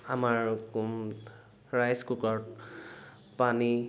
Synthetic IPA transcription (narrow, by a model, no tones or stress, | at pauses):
amaɹkum | ɹajskukɔɹ | pani